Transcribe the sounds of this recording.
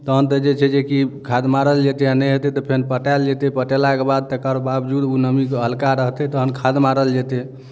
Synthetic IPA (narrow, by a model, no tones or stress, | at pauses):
t̪əɦənt̪əd͡ʒet͡ʃʰɛd͡ʒekikʰad̪maɾəld͡ʒet̪eanəɦet̪et̪ɔpʰenpəʈald͡ʒet̪epəʈelakebad̪̚t̪ekəɾobabd͡ʒud̪unəmikeɦəlkaɾəɦt̪ɛt̪əɦənkʰad̪maɾəld͡ʒet̪e